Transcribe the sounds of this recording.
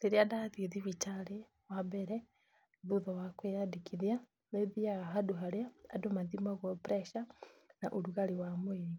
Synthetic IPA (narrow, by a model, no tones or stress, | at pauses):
ðiɾiadaðiðiβitale | wabeɾe | ðuðawakwejadikʰiðja | meðiaɦaduɦalja̰ːdomaðimaɣopɾeʃanaʔoɾuɣaɾiwamweɾi